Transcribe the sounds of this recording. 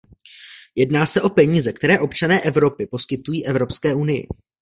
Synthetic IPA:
jɛdnaːsɛʔo̞pɛɲiːzɛkt̪ɛɾɛːʔo̞pt͡ʃanɛːʔɛvɾo̞pɪpo̞skɪt̪ujiːʔɛvɾo̞pskɛːʔunɪjɪ̰

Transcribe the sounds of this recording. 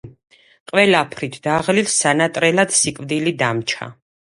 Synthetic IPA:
qʼwɛlapʰɾit̪ʰd̪̥aʁlilsanat̪ʼɾɛlad̪̥sikʼvd̪ilid̪amt͡ʃʰa̰

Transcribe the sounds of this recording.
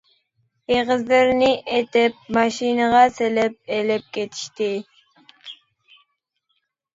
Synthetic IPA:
eʁəzlɪɾnɪʔet̪ɪp̚mɑʃinəʁɑselɪp̚elɪp̚kʲʰet̪ʰi̥ʃt̪ɪ

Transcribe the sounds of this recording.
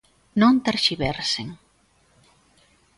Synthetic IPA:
nõnt̪aɾʃiβɛɾseŋ

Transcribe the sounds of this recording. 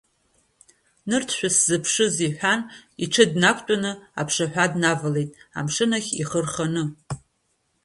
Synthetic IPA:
nɨrtʰʃʷᶣaszɨpʰʂɨziħʷᶣaniʈ͡ʂʰɨdnakʷʼt͡pʷʼanɨa̰pʰʂaħᶣʷadnavale̞jtʼa̰mʂɨnaχʲiχərχanɨ

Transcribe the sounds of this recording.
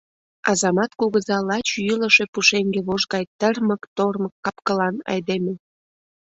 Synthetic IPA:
ɑzɑmɑt̪kuɣəzɑlɑt͡ɕjyləʃepuʃeŋɡeβoʒɣɑjt̪ərməkt̪orməkːɑpkəlɑnɑ̰jd̪eme

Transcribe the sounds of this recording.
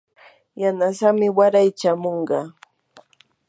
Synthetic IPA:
janasamɪwaɾajt͡ʃamoɴɢɑ

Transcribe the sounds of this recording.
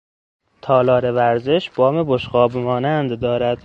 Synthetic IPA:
t̪ʰɒːlɒːɾevæɾze̞ʃb̥ɒːmeboʃɢɒːbmɒːnænd̪d̪ɒːɾæd̪̥

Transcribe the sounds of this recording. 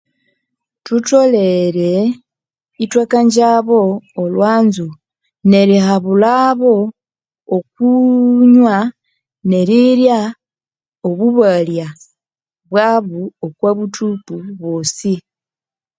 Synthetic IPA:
tuto̞le̞ɾe̞ | itwakaɲɟaβo̞ːlwaːnzu | ne̞ɾihaβulaβo̞ː | k̚uɲwa | ne̞ɾiɾja | oβuβalja | βwaːβuokwaβutʰupuβoːsi

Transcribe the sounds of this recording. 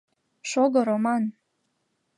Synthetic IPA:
ʃoɣɤɾomɑn

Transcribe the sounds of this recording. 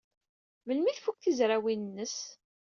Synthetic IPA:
məlmiθfuk̚θizɾawinənːəs

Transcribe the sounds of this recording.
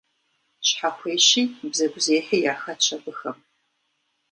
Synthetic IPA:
ɕħaxʷʰeːɕiːbzɐɡʷʊzeːħejaːxɐt͡ʃʰɐbʷʊxɐm

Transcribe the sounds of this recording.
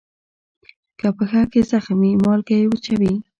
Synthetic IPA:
kapəxakezaxmimɑlkajewət͡ʃawi

